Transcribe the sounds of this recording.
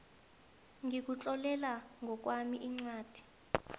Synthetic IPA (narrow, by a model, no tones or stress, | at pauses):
ŋik̬ut͡ɬʼɔlɛlaŋɡʱɔk̬wamiʔiŋ͡ǀwaːd̥ʱi̥